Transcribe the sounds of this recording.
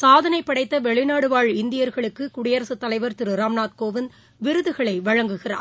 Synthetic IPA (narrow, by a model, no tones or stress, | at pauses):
saːðɐnɐɪpːɐɽɐɪt̪ːɐʋɛɭɪnaːɽɯʋaːɭɪnd̪ɪjɐɾɣɐɭɯkːɯkʊɽɪjɐɾɐsɯt̪ːɐlɐɪʋɐɾt̪ɪɾɯɾaːmnaːt̪̚koːʋɪn | ʋɪɾɯðɯɣɐɭɐɪʋɐɻɐŋɡɯɣɪra̰ː